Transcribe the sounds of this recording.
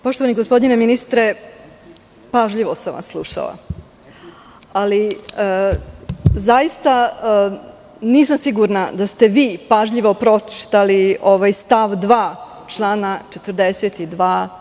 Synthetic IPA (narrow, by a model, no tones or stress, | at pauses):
po̞ʃt̪o̞ʋaniɡospo̞d̪nineminist̪ɾe | paʒʎiʋosamʋa̰sːlˠuʃa̰la̰ | aliə | zajist̪a | niːsamsiɡuɾnad̪ast̪e̞ʋiːpaʒʎiʋopɾo̞t͡ʃi̥ʃt̪alioʋajst̪aʋd̪ʋaː | t͡ʂlˠaːnat͡ʃet̪ər̩d̪eset̪id̪ʋaː